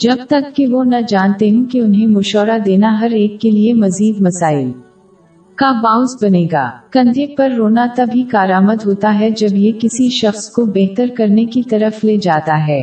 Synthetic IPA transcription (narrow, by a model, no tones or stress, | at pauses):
d͡ʒɐbt̪ɐkːeʋonɐd͡ʒaːnt̪eɦũkiʊnɦẽmʊʃɔːɾad̪eːnaɦɐɾeːkːeliemɐziːd̪mɐsaːɪl | kabãːʊ̃sbɐneːɡa̰ːkɐ̃nd̪ək̚pɐɾːoːnat̪ɐbʱikaːɾaːməd̪ɦoːt̪aɦɛd͡ʒɐbjekɪsiʃɐxskobɛɦt̪əɾkɐɾnekit̪ɐɾəfleːd͡ʒaːt̪aɦɛː